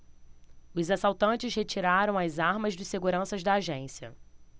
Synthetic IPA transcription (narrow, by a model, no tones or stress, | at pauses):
ʊzasawt̪ɐ̃nt͡ʃɪshet͡ʃiɾaɾɐ̃w̃ɐzaɾmɐzd͡ʒɪseɡuɾɐ̃sɐʒd̪ɐːʒẽsiɐ̰